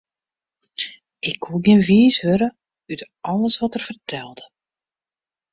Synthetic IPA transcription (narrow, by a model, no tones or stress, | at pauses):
ɪkʰːuɡɪnʋiːshøɾə | yt | ɔlˠəsʋɔtərv̥ərtʰɛlˠdə